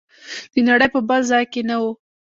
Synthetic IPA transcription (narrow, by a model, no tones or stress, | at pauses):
d̪̥ənaɽəjpəbalzɑjkenawu